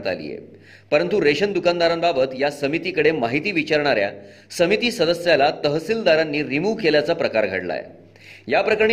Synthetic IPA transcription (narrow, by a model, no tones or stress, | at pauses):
t̪a̰lḭjḛ | pəɾənt̪uɾeɕənd̪ukand̪aɾambabət̪jasəmit̪ikəɽemaɦit̪iːʋit͡ɕaɾɳ̃aɾja̰ | səmit̪iːsəd̪əsjalat̪əɦsild̪aɾanːiːɾimuːkeljat͡sapɾəkaɾɡʱə̰ɽla̰jḛ | japɾəkəɾɳ